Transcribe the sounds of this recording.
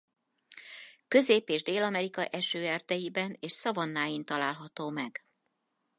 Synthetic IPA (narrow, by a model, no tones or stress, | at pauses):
kø̞zeːpeːʒd̪eːlɒmɛɾikɒʔɛʃøːɛrd̪ɛjibɛneːʃsɒvɒnːaːjint̪ɒlaːlɦɒt̪oːmɛɡ̥